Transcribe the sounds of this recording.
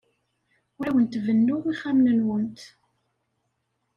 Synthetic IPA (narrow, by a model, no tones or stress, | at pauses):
wæwənt̪vənːʊʁiχæmnənwənt̪